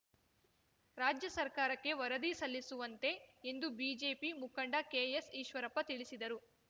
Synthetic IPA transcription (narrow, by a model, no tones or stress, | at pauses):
ɾaːd͡ʒjɐsɐɾkaːɾɐkːe̞ʋɐɾɐd̪isɐlːisuʋɐnt̪e̞end̪ubiːd͡ʒe̞ːpimukɐɳɖɐkeːjesiːʃʋɐɾɐpːɐt̪iɭisid̪ɐɾu